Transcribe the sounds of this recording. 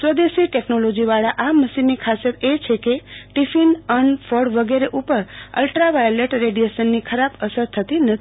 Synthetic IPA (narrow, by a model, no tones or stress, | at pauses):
sɾəd̪eʃiʈeknolod͡ʒiʋaɭaʔaməʃinːikʰasjət̪et͡ʃʰekeʈifinənfəɽʋəɡeɾeʔupəɾə̰lʈɾaʋajleʈɾeɖijesənːikʰəɾabəsəɾt̪ʰət̪inət̪ʰi